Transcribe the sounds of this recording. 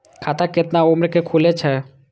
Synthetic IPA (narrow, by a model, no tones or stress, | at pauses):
kʰat̪aket̪naomɾekekʰulet͡ʃʰɛ